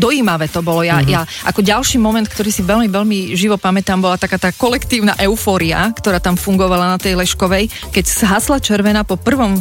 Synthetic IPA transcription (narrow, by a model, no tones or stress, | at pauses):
d̪ɔjiːmaʋɛːt̪ɔbɔlɔjajaʔa̰kɔɟalʃiːmɔmɛnt̪̚kt̪ɔɾiːsiʋɛlmiʋɛlmiʒiʋɔpamɛt̪aːmbɔlat̪akaːt̪aːkɔlɛkt̪iːʊna̰ʔɛʊfɔːɾia̰kt̪ɔɾaːt̪amfuŋɡɔʋalanat̪ɛjlɛʃkɔʋɛj | kɛcz̥ɦaslat͡ʃɛɾʋɛnapɔpr̩ʋɔm